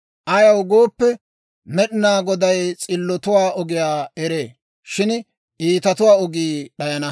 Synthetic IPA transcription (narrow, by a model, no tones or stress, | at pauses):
ʔɐjɐwɡoːpːɛ | mɛɗɪnaːɡɔd̪ɐjt͡sʼɪlːɔt̪ʊwaːʔɔɡɪjaːɛɾeː | ʃɪn | ʔiːt̪ɐt̪ʊwaːɔɡiːɗɐjɐnɐ